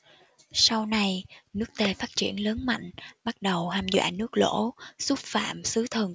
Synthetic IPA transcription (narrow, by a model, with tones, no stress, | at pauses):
sa˧wna˧jnɨ˦˥ək̚t̪e˧faː˦˥t̚t͡ɕḭ˧˩ənləː˨˦nma̰˧˨jŋ̟ɓa˦˥t̚ɗə˨˩whaː˧mzwa̰ː˧˩nɨ˦˥ək̚lo̰˧˥su˦˥p̚fa̰ː˧˨msɨ˨˦t̪ʰə˨˧˩n